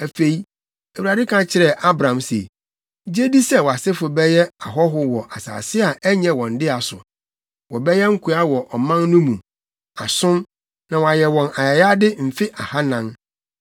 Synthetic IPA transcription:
æ˨fe˨i˦ | ɛ˨wu˨ɾa˨dɪ˦kʰã˦t͡ɕʰɪ˨ɾɛ˨ʔa˦bɾã˨msḛ˨˦ | d͡ʑe˦di˦sɛ˦wɔ˨a˨sɪ˦fʊ˨bɛ˦jɛ˦a˨ɦɔ˦ɦʊ˦wɔ˨ʔa˨sa̰ː˨sɪ˦a˨ʔɛ˦ɲɛ̃˨wɔ̃˨n˨dɪ˦a˨sʊ̰˨ | wɔ˨bɛ˦jɛ˦ŋ̩˦kʰu˦a˦wɔ˨ʔɔ˨mã˦nnũ˦mũ˨ | a˨sʊ̃˦m | nã˨wɔ˨a˨jɛ˨wɔ̃˨na˨ja˨ja˦dɪ˦m̩˨fɪ˦ʔa˨ha˦nã˦n

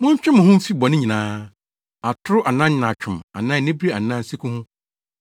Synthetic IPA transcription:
mʊ̃˦ɲ˦t͡ɕᶣɪ̃˦mʊ̃˨hʊ̃˦m̩˦fi˦bɔ˨nɪ̃˦ɲĩ˨nãː˦ | a˨tʰʊ˦ɾʊ˦ʔa˨nã˦nã˨t͡ɕʰᶣʊ̃˨ma̰˨nã˦˨˦nɪ̃˦bɾi˦a˨nã˦n˦si˦kʰʊ̃˦hʊ̃˦

